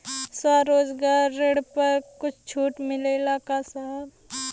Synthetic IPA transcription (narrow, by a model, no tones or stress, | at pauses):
swaːɾoːd͡ʒɡaːɾːeɽpɐɾkʊt͡ʃʰt͡ʃʰuːʈmɪleɪlaːkasaːb